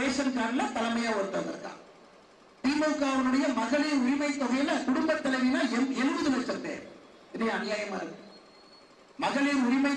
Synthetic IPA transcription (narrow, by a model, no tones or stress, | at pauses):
eːsɐnkaːɾlːaːt̪ɐlɐmɐjaːɔɾɯt̪ːɐʋɐnɐ̰ɾkːã̰ː | t̪iːmɐkːaːʋɐnɯɽɐjɐmɐɣɐɭiːɾʊɾɪmɐɪt̪ːɔɣɐjɐlɐkʊɽʊmbɐt̪ːɐlɐʋinaːlɛɛlɯʋɯðɐlɐt͡ʃːɐɾd̪ḛː | ɪniɐnɪjaːjɐmaːɾɯɣɯ | mɐɣɐɭiːɾʊɾɪmɐɪ